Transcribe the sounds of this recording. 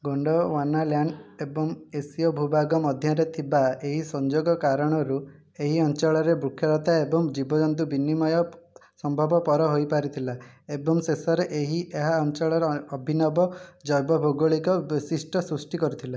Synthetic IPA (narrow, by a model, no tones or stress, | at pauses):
ɡoɳɖɔwanaljaɳɖebɔŋesiɔbʱubaɡɔmɔd̪ʱjaɾet̪ʰibaeɦisɔnd͡ʒoɡɔkaɾɔɽ̃ɔɾu | eɦiɔnt͡ʃɔɭɔɾebɾukʰːjɔɾɔt̪aebɔŋd͡ʒibɔd͡ʒɔnt̪̬ubinimɔjɔsɔmbʱɔbɔpɔɾɔɦojpaɾit̪ʰilaebɔŋsesɔɾeʔeɦiʔeɦaɔnt͡ʃɔɭɔɾeɔbʱinɔbɔd͡ʒɔjbɔbʱoɡoɭikɔbisisʈɔsɾusʈikɔɾit̪ʰila